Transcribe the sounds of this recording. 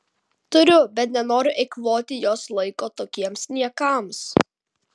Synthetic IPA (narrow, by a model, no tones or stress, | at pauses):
t̪ʊɾʲʊbʲɛt̪nʲɛnoːɾʲʊʔɛɪkʋoːt̪ʲɪjoːslˠɐɪkoːt̪oːkʲiɛmsʲnʲiɛkɑˑms